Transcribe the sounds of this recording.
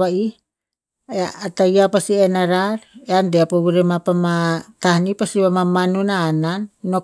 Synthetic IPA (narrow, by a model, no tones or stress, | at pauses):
ai | eat̪aiapasienaɾaɾeandeapoβuɾemapamat̪ahnipasiβamamanunananːo